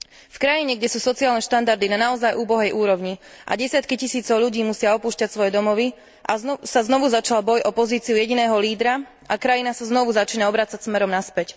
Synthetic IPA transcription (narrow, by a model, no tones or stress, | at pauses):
fkɾajiɲɛɡɟɛsuːsɔt͡siɪaːlnɛʃt̪and̪aɾd̪inanaɔzajʔuːbɔɦɛjʔuːɾɔʋɲi | ʔa̰ɟɛsɪat̪kicisiːt͡sɔʊʎuɟiːmusɪaɔpuːʃcacsʋɔjɛd̪ɔmɔʋi | ʔasaznɔʋuzat͡ʃalbɔjʔɔpɔziːt͡siujɛɟinɛːɦɔliːd̪ɾa | ʔakɾajinasaznɔʋuzat͡ʃiːnaɔbɾaːt͡sacsmɛɾɔmnaspɛc